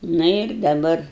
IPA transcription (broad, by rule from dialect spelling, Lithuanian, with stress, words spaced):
ˈnʊ ɪr dɐˈbɐr